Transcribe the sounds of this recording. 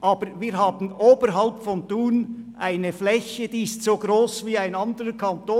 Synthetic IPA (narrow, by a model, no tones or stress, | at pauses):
ʔɑːb̥əɾviːɾɦɑːbn̩oːbəɾɦɑlpfɔnduːnʔaɪnəflɛçəd̥̪iːɪstsoːɡɾoːsviːaɪnɑnd̪əɾəkʰɑnt̪oː